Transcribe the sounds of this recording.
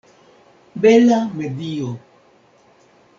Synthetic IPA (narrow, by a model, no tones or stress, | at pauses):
bɛlamedijo